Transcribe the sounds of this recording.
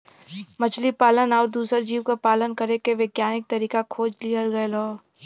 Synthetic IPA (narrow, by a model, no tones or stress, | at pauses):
mɐt͡ʃlipaːlənɔːɾd̪uːsəɾd͡ʒiːwkapaːlənkɐɾekeʋeɡjaːnɪk̚t̪ɐɾiːkakʰoːd͡ʒliəlɡɐeloː